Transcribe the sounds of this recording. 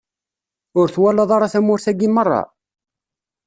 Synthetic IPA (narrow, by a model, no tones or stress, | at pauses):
ʊɾθwælːɑðˤɑɾˤɑθæmʊɾθæɡːimərˤːɑ̰